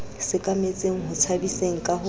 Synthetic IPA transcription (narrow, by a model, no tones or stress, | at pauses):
sɪkʼamet͡sʼeŋ̩ɦʊt͡sʰabiseŋ̩kʼahʊ